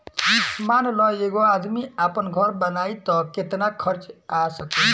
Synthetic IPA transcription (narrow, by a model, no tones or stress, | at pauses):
manlɔeɡoad̪miapənɡʱʌɾbənait̪ɔket̪nakʰʌɾt͡ʃasəke